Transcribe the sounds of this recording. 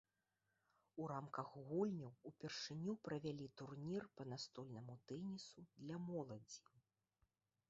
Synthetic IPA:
uɾamkɐɣɣulʲnʲɐwupʲɛrʂɨnʲupɾɐvʲalʲit̪urnʲirpɐnast̪ɔlʲnɐmut̪ɛnʲisud̪lʲamɔlˠɐd͡zʲi

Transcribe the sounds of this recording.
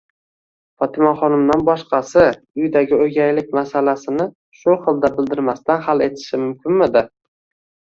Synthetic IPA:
fɒt̪ʰɪmaχɒnɪmd̪anbɒʃqɑsɪ | ʊjd̪aɡʲɪojɡʲajlɪk̚ʲmasalasɪnɪ | ʃʊχɨlˠd̪abɪld̪ɪɾmast̪anɦale̞t̪ʰɪ̥ʃɪmʊmkʲɪnmɪd̪ɪ

